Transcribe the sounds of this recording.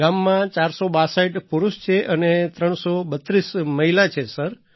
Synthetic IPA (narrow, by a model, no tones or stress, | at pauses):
amːãt͡ʃaɾsobasaiʈpuɾuʃt͡ʃʰeʔənet̪ɾəɳ̃sobət̪ɾisməɦilat͡ʃʰesəɾ